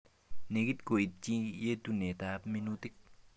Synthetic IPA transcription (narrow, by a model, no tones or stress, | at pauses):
neɡit̪̚kojət̪̚t͡ɕijet̪unet̪ap̚minut̪ək̚